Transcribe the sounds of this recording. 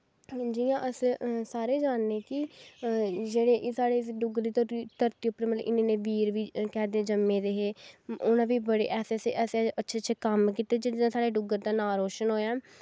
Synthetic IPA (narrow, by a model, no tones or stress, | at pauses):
d͡ʒiːãːʔəssaːɾeːd͡ʒaːnːeːkɪ | d͡ʒeːɽeːʔsaːɽeːsɖʊɡɾd̪iːt̪əit̪əɾt̪iːʊpːɾemət̪lɪnẽːneːʋiːɾʋiːkɛːd̪eːd͡ʒəmːẽːd̪eːɦeːʊnãːʋiːbəɽḛːʔɛːseːseːʔɛːsʔətːʃʰeːt͡ʃʰeːkəmkiːt̪ed͡ʒeãːsaːɽeːɖʊɡəɾd̪aːnaːɾoːʃənɦoːjaː